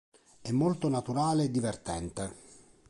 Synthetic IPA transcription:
ɛmːolt̪onat̪uɾaːleːd̪ːivert̪ɛnt̪e

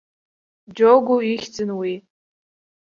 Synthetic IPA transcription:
d͡ʒoɡʷuiχʲd͡zɨnwi

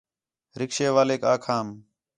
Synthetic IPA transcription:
ɾɪkʃeːʋaːleːkaːkʰaːm

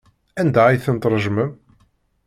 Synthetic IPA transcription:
ænd̪æijθənt̪ˤɾˤʒməm

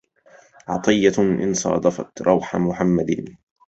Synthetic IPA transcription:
ʕɑt̪ˤɨjːaʔɪ̰nsˤɑ̰ːd̪ˤɑfɑ̰t̪ɾˤɑwħa̰mʊħamːad̪n

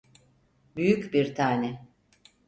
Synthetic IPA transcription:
byjycbiɾt̪ʰaːnɛ

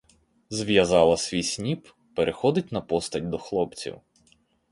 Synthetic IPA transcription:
zʋjɐzɑlˠɐsʲʋʲijsʲnʲib | peɾʔexɔd̪ɪt̚ʲnɐpɔst̪ɐtʲd̪ɔxlˠɔpt͡sʲḭw

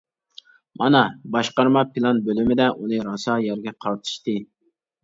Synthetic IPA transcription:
mɑnɑbɑʃqɑɾmɑpʰilˠɑnbølymɪd̪ɛʔunɨɾɑsɑjɛɾɡʲɛqʰɑɾt̪ʰɨ̥ʃt̪ɨ

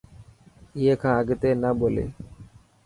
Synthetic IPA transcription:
ijeːkʰãːəɡet̪eːnəɓoːlḛː

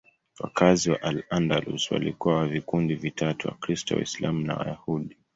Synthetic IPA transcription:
wakaziwaʔalandalṵswa̰likuwawavikundivitʰatuwa̰kɾistɔwa̰islamunawa̰jahuɗi

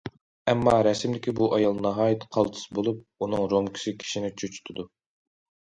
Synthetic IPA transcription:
ɛmːɑɾɛsmd̪ɪkʲʰibuʔɑjɑlˠnnɑɦɑːjit̪qʰɑlˠt̪ʰɨ̥sbolˠup̚unɨŋɾomkʲʰi̥sɪkʲʰi̥ʃinɪt͡ʃʰut͡ʃʰt̪ʰɨd̪u

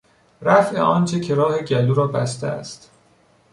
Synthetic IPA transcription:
ɾæfʔḛɒːnt͡ʃʰe̞cʰe̞ɾɒːheɟæluːɾɒːbæst̪eæ̰st̪

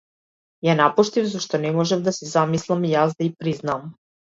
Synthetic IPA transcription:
janapuʃt̪ivzaʃt̪onemoʒevd̪asezamislˠamijaːsd̪aipɾiznaːm

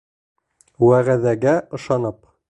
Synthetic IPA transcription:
wæʁæðæɡæʔɤ̆ʃɑnɤp

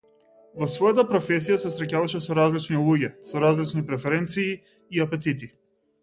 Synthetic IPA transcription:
vɔsvɔjat̪apɾɔfɛs̬ijasɛsɾɛcavaʃɛsɔɾazlit͡ʃnilˠuɟɛsɔɾazlit͡ʃnipɾɛfɛɾɛnt̪siː | apɛt̪it̪̬i

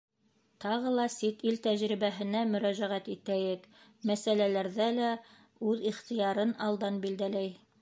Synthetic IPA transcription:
t̪ɑʁɤlˠɑsit̪ilt̪æʑɾiβæɦɘ̆næmɵ̆ɾæʒæʁæt̪it̪æjɘk | mæsælælæɾðælæ | ʉðiχt̪ĭjɑɾɤnɑlˠd̪ɑnbild̪ælæj

